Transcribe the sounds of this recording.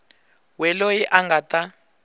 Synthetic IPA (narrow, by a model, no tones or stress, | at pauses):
wɛlojiʔaŋɡata